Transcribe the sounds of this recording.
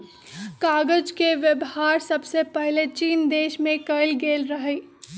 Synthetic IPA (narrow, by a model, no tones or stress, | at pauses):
kaːɡəd͡ʒkeʋjəbɦaːɾsɐbsepɛɦlet͡ʃiːnd̪eːʃmẽkəɪlɡeːlɾɐɦee